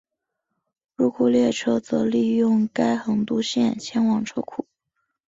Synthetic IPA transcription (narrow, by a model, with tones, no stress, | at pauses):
ɻu˧˥kʰu˨˩ljɛ˥˩ʈ͡ʂʰɤ˥t͡sɤ˧˥li˥˧jʊ˥˩ŋka˥ɪxə˧˩nt̪u˥ɕjɛ˥˩nt͡ɕʰjɛ˥nwɑ˨˩ŋʈ͡ʂʰɤ̰˥kʰu˨˩˦